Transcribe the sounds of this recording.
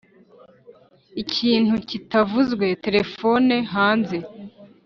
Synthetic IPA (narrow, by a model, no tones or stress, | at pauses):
icʰiːn̥hucitavuzɡwe̞te̞ɾe̞fo̞ne̞ɦaːnze̞